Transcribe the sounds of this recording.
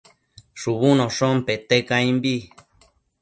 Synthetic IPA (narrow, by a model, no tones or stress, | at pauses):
ʂuβunõʂompet̪ekãĩmbi